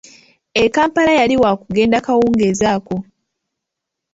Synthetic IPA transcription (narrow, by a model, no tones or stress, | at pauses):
ekaːmpalajaliwaːkuɡe̞ːndakawuːŋɡezaːko̞